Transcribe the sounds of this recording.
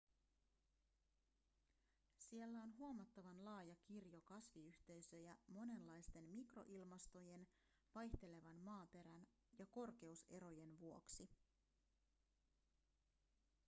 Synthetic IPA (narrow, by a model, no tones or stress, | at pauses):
sielːæo̞nɦuomɑt̪ːɑʋɑnlɑːjɑkirjo̞kɑsʋiyht̪e̞jsø̞jæmo̞ne̞nlːɑjst̪e̞nmikro̞̰ʔilmɑst̪o̞je̞n | ʋɑjçt̪e̞le̞ʋɑnmɑːpe̞ɾæn | jɑko̞rk̟e̞use̞ɾo̞je̞nʋuo̞ksi